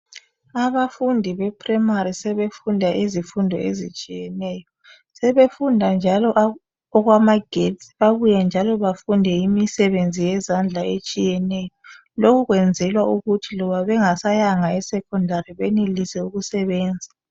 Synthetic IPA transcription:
aβafundʱiβɛpʰrimaɾisɛβefundʱaʔizifundʱɔ̰ḛzit͡ʃʼijɛnɛːjɔ | sɛβefundʱand͡ʒʱalɔʔ | ɔɣwamaɡ̥ʱett͡sʼiβaβujɛnd͡ʒʱalɔβafundʱɛimisɛβend͡zʱijɛzand͡ɮʱaet͡ʃʼijɛnɛjɔ | lokʰuɣwɛnd͡zʱɛlwauɣutʰilɔβaβɛŋasajaŋaɛsɛkʰɔndʱaɾiβenilisɛuɣusɛβɛːnd͡zʱḁ

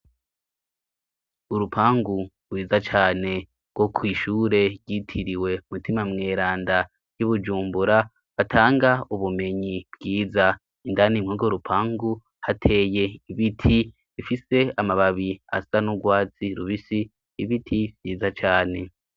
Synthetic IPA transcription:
uɾupʰaːŋɡuɾwiːzat͡ʃaːne̞ | ɡ̥wo̞kʰwiːʃuːɾe̞ɾɟitʰiɾiwe̞umutimamŋeːɾaːnda | juβud͡ʒuːmbuɾa | βatʰaːŋɡauβume̞ɲib̥ɡiːza | indanimŋuːɡoɾupʰaːŋɡu | hatʰe̞ːje̞iβitʰi | βifise̞amaβaβia̰sanuɡwaːt͡siɾuβisiː | βitʰiβɟiːzat͡ʃaːne̞

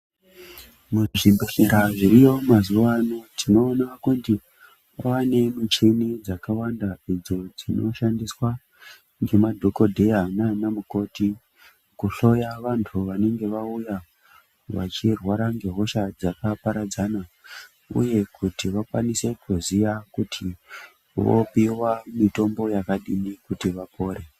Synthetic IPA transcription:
muʐimbiɬeɾaʐiɾijo̞mazuʋanotʰino̞ːnakunti | awane̞mut͡ʃinid͡zakawandaid͡zo̞d͡zino̞ʃandiswa | ŋɡe̞madʱoko̞dʱe̞jananamuko̞ti | kuɬo̞jaʋantʰuʋane̞ŋɡe̞ʋauja | ʋa̰t͡ʃirwaɾaŋɡe̞ɦo̞ʃad͡zakapaɾad͡zana | ṵje̞kʰutiʋakwanise̞kuzijakutʰi | ʋo̰piwamito̞mbo̞jakaɗimikutiʋapʰo̞ːɾe

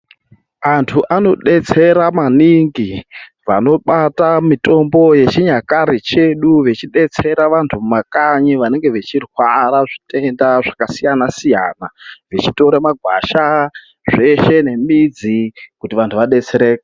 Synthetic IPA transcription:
antʰuʔano̞ɗe̞t͡se̞ɾamaniŋɡi | ʋano̞ɓatamito̞mbo̞je̞t͡ʃiɲakaɾit͡ʃe̞ɗuʋet͡ʃiɗe̞t͡se̞ɾaʋantʰummakaɲiʋane̞ŋɡe̞ʋet͡ʃirwaɾaʐite̞ndaʐakasijanasija̰ːnaʋet͡ʃito̞ɾemaɡʱwa̰ʃa | ʐe̞ʃe̞ne̞mid͡zikutiʋantʰuʋaɗe̞t͡se̞ɾeːke

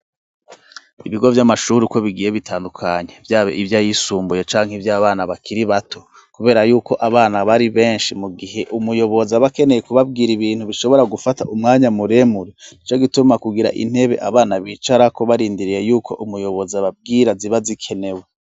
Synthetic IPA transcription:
iβiɡo̞vjamaʃuɾiko̞βiɡije̞βitʰaːndukʰaɲe̞vjaːβḛivjajisuːmbuje̞t͡ʃaːŋhivjaːβaːnaβakʰiɾiβatʰo̞̥ | kuβe̞ːɾajuːko̞ʔaβaːnaβaɾiβe̞ːnʃimuɡiɦe̞ʔumujo̞βo̞zaβake̞ne̞je̞kuβab̚ɡiːɾiβiːn̥huβiʃo̞βo̞ɾaɡufataʔumŋaːɲamuɾe̞muɾenit͡ʃoɡitumakuɡiɾa̰ʔḭn̥he̞βe̞̰ʔaβaːnaβiːt͡ʃaɾako̞βaɾiːndiɾije̞juːkʰo̞ʔumujo̞βo̞zaβab̚ɡiːɾaziβazikʰe̞ne̞we

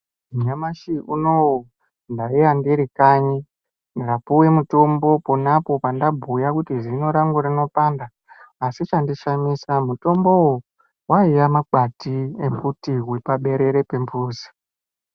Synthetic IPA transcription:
muɲamaʃiʔuno̞wo | ndaiandiɾikaɲi | niɡapuwe̞muto̞mbo̞ponapo̞pandabʱujakutiʐino̞ɾaŋɡuɾino̞paːndaː | sit͡ʃandiʃamisamuto̞mbo̞wo | waijamak͡patiembutiɦwipaɓe̞ɾe̞ɾe̞pe̞mbuːzi̥

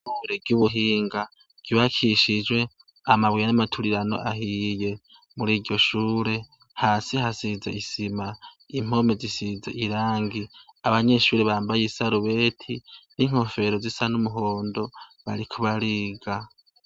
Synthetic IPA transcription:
uɾebɡjuːβuɦiːŋɡa | ɡ̥iβakʰiʃid͡ʒwe̞ | amaβwijanamatʰuɾiɾano̞̰ʔaɦije̞ | muɾiːɾɟo̞ʃuːɾe̞ | haːsihasizḛisima | im̥o̞mezisizḛʔiɾaːŋɡiaβaɲe̞ʃuːɾeβaːmbajesaɾuβe̞ːtʰiniŋ̥ho̞fe̞ɾo̞zisanumuɦoːndo̞βa̰ɾikʰuβaɾiːɡa

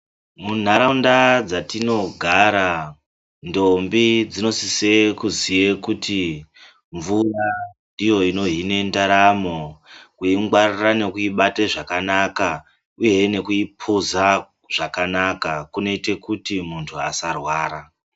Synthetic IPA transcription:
mun̤aɾaundad͡zatino̞ɡʱaɾa | ndo̞mbid͡zino̞sisekuzijekuti | ɱvura | ijo̞ino̞ɦine̞ndaɾamo̞kuiŋɡwarirane̞kuiɓateʐakanaka | uje̞ne̞kuipʰuza | ʐ̥akanakakuno̞ite̞kutimuntʰuasarwaːɾa

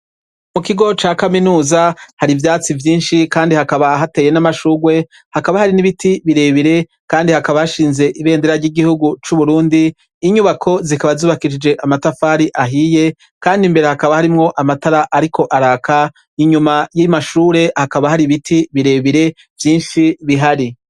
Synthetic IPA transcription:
mukiɡo̞t͡ʃaːkaminuːzahaɾivjaːt͡sivjiːnʃikaːndihakaβaɦate̞ːje̞namaʃuːɡwe̞ | hakaβahaɾiniβitiβiɾe̞βiɾe̞ | kaːndihakaβahaʃiːnze̞ʔiβe̞ːndeɾaɾɟiɡihuɡut͡ʃuβuɾuːndiː | ɲuβakʰo̞zikaβazuːβakiʃid͡ʒe̞ʔamatafaːɾiʔaɦije̞ | kaːndimbe̞ɾe̞hakaβahaɾimŋo̞ʔamataɾaʔaɾikʰo̞ʔaɾaːka | iɲumajimaʃuːɾe̞hakaβahaɾiβitʰiβiɾe̞βiɾe̞ | vjiːnʃiβiɦaɾi

